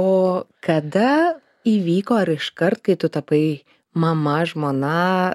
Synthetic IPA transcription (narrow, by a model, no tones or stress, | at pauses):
oːkɐd̪ɐ | iːʋʲiːkoːɐɾɪʃkɐrt̪̚kɐɪt̪ʊt̪ɐpɐɪ | mɐmɐʒmoːnɐ